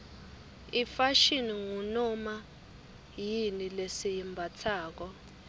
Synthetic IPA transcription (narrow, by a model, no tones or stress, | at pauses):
ifaʃiniŋunɔma | jinilesijimbʱat͡sʰaːk̬ɔ